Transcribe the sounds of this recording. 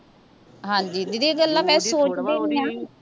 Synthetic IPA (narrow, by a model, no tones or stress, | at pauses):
ɦãːɲd͡ʒiːd̪id̪iːɡəlːãːmɛ̃ːsoːt͡ʃd̪eːniːaː